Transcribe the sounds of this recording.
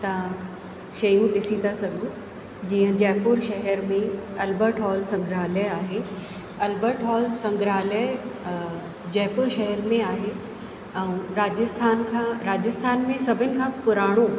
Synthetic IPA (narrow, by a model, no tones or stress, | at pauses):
t̪ɐ | ʃɐjũɗɪsĩnd̪asɐɡʱũ | d͡ʑiːə̃d͡ʑɛːpʊɾʃɐɦɛɾmẽɐlbəɾʈɦɔːlsɐ̃ŋɡɾaːləaːɦe | ɐlbəʈʰɦɔːlsɐ̃ŋɡɾaːlə | d͡ʑɛːpʊɾʃɐɦəɾmẽaːɦe | ɛ̃ũɾaːd͡ʑəst̪ʰaːnkʰãːɾaːd͡ʑəst̪ʰaːnmẽsɐbʱənɪ̆kʰãːpʊɾaːɽ̃o